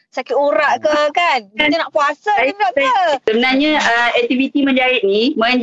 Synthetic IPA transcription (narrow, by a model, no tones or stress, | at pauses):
sakɪt̪oɾaʔkəkanainaʔpuasaaaasəbənaɲaəɛk̚t̪ivit̪imə̃ɲd͡ʒaɪt̪̚nimə̃ɲ